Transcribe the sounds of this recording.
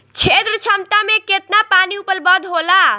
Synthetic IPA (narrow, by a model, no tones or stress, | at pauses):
t͡ʃʰet̪ɾət͡ʃʰəmt̪ameket̪napaniupəlbəd̪ʱɦola